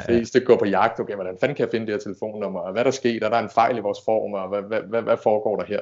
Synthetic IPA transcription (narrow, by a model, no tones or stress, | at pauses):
d̥e̝sd̥e̝ɡ̥ɒ̰ːpʰɒ̽jɑ̈ɡ̥d̥okʰḛʋɒd̥ænfænkʰæjɑfe̝nəd̥eheɐt͡sʰe̝ləfo̝̰ːnːɔmɐɒʋæɾ̥ɑsɡ̥e̝̰ːd̥æɐɾɑe̝nfɑ̈ɪ̰liʋɒːsfɒ̰ːʁɔmɒʋæʋæʋæʋæfɒːɡ̥ɒ̰ːɾ̥ɑɦeɐ̰